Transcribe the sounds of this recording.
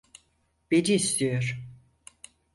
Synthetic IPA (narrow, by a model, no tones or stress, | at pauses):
b̥ediːst̪ʰijoɾ